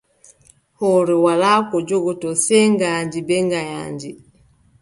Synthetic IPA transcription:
hɔɾɛwalaːkɔd͡ʒɔɡɔtɔsɛŋɡaɲd͡ʒibɛŋɡaja̰ɲd͡ʒi

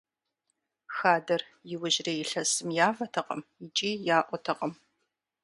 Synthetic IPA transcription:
xaːdɐr | jɪwʊʒrɐjɪɬɐsɨmjaːvɐtʰɐqɐ̰mit͡ʃʼiːjaːʔʷɔtʰɐqɐm

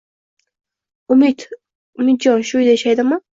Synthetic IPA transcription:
ʊmit̪ | ʊmɪt̪̚d͡ʒɒnʃʊjd̪ajʃajd̪ɪmɪ

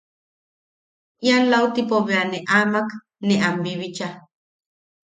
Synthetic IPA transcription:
ianlaut̪ipoβeaneʔaːmak | neʔambiβit͡ʃa

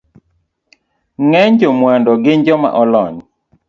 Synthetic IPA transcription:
ŋɛɲd͡ʒɔmwandɔɡɪɲd͡ʒɔma̰ʔɔlɔɲ

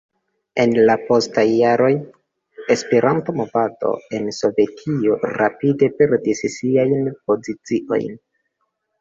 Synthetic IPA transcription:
e̞nlapo̞stajːaɾo̞j | e̞spe̞ɾʔanto̞mo̞vado̞̰e̞nso̞ve̞tʰio̞ɾa̰pide̞pe̞ɾdissiajnpo̞zit͡siʔo̞̰jn

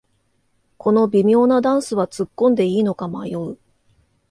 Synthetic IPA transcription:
kʰo̞no̞bʲimʲo̞ːnad̪ãɰ̃sɨβat͡sɨkːõ̞nd̪e̞iːno̞kamajoɯ

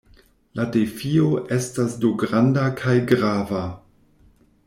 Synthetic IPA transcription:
ladefioʔestasduɡɾandakʰajɡɾava

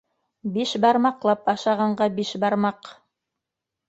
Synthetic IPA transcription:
biʃbɑɾmɑqlˠɑpɑʃɑʁɑɴɢɑbiʃbɑɾmɑq

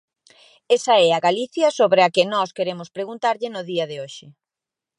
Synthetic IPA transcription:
esɐɛɐɣaliθjɐsoβɾeɐkɪnɔskeɾemʊspɾeɣunt̪aɾʎɪnʊðiɐðɪoʃɪ

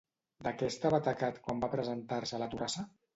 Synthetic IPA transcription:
d̪akɛst̪aβat̪akat̪kwambapɾəzənt̪aɾsələt̪urasə

